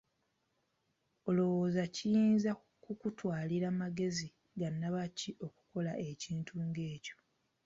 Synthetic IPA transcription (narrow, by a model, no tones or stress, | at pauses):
olo̞woːzacijiːnza | kukutwaːliɾaːmaɡe̞zi | ɡanːaβaciʔo̞ku̥ko̞laʔe̞ciːntuːŋɡe̞ːco̞̥